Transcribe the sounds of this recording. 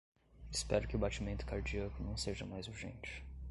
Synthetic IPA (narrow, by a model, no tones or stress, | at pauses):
ɪspɛ̰ɾʊkɪʊbat͡ʃimẽnt̪ʊkaɾd͡ʒiɐkʊnɐ̃w̃seʒɐmajzuɾʒḛ̃nt͡ʃɪ̥